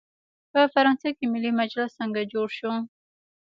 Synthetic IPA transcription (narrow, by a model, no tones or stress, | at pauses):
pəfaɾɑnsakemɪlimad͡ʒlasəŋɡad͡ʒoɽʃu